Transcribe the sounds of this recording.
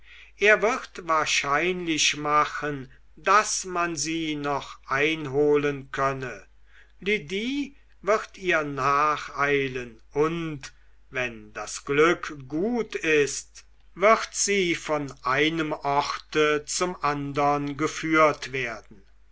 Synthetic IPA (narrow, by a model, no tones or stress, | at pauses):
ʔeːɐvɪʁtvaːɐʃaɪnlɪʃmaχən | dasmanziːnɔχʔaɪnɦoːlənkʰœnə | lydiː | vɪʁtiːɐnaːχaɪlən | ʊnt | vɛndasɡ̥lʏkɡuːtɪst | vɪʁtz̥iːfɔnʔaɪnəmʔɔʁtət͡sʊmʔandɐnɡəfyːɐtv̥eːɐdn̩